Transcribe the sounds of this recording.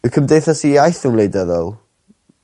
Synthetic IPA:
ɨkʰəmdejθasijajθuwlejdɛðɔlˠ

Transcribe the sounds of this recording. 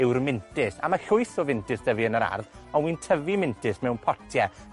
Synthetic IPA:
ɪwrmɪntɪsa̰maɬʊɨθɔvɪntʰɪsd̥əviənəɾa̰rðɔnwintʰəvimɪntʰɪsmɛwnpʰɔtʰjɛ

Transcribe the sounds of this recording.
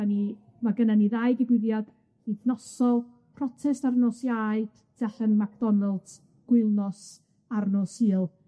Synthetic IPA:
ani | maɡənaniðaɨɡibɪðjad̥ | iθnɔsɔlˠ | pʰrɔtʰɛstarnoːsjaɨd̥d̥ɛɬənmakʰd̥ɔnalˠd | ɡ̥wɪlˠnɔs | aɾnoːsiːlˠ

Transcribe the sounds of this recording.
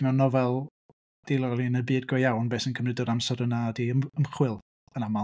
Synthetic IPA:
mɛnɔvɛlˠ | d̥elˠɔlˠinəbɨːdɡɔjjawnbeːsənkʰəmnɨdəɾamsɛɾənadiəməmχwɪlˠ | ənama

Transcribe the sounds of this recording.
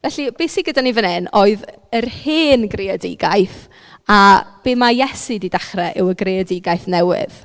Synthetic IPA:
vɛɬib̥esiɡədanivənɪnoɨð | ərheːnɡrɪɔdɪ̰ɡaɨθ | ab̥eːmajɛsɨdidaχrɛʔɪwəɡreɔdɪɡajθnɛwɪ̰ð̥

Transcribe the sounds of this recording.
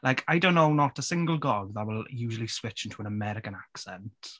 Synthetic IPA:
lajkʰajdõʊ̃nːoʊnːətəsɪ̃ŋɡəlˠɡɔɡðətwɪlˠjuːʒəlˠiswɪt͡ʃɪ̃ntʰuə̃nəmɛɾɪkə̃naksɛ̃nt

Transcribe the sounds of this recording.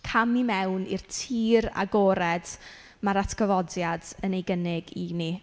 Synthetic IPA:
kʰamimɛwnḭrtʰiːɾa̰ɡoːɾɛd̥ | maɾatʰɡ̥əvɔdjadənejɡənɪɡini

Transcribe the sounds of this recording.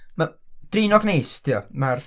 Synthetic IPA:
mad̥rɪːnɔɡnejstʰijɔmar

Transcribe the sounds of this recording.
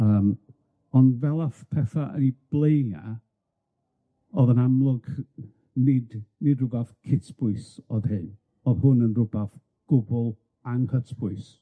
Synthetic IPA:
əːm | ɔndvɛlˠafpʰɛθaʔə̰nib̥lˠeja | ɔðənamlˠʊɡ | nɪdnɨdrʊbaθkʰɪtʰb̥ʊɨsɔð̥hɨn | ɔðhʊnənrʊbaθ | ɡ̥ʊbʊlˠ | anhʰətʰb̥ʊɨs

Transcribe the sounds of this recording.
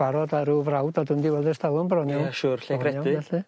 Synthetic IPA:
aɾɔdaɾuvrawdɔdʊmdiwɛlˠdɛrstalˠʊmbrɔnjɔwʃʊːrɬɛɾɛjɔɪɛɬɨ

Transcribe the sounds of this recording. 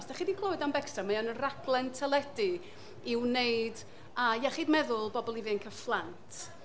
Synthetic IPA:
sd̥ɛχidikʰlˠowɨdambɛksamajanənraɡlˠɛntʰɛlˠɛdɨ | ɪwnejɨd | ajaχidmɛðʊlˠbɔbɔlˠivɨnkʰəflˠantʰ

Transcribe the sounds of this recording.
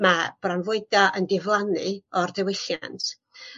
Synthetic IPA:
mab̥ranvʊɨdaʔəndɪvlˠanɨɔrdɛwɪɬjantʰ

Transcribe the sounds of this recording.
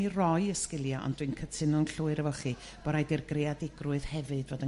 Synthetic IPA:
irɔɨəskɪlˠjaʔɔ̰nd̥wɨnkʰətʰɪnɔnɬuɨɾəvɔχi | b̥ɔɾajdirɡreadɪɡrʊɨð̥hɛvɨdvoːdə

